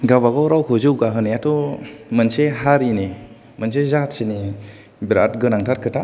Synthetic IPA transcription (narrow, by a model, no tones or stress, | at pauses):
ɡaβaɡɔwɾawkʰuzɯwɡaɦɯnijatɔmɯnseɦaɾini | mɯns̬ezatsini | biɾat̚ɡɯnaŋtʰaɾkʰɯta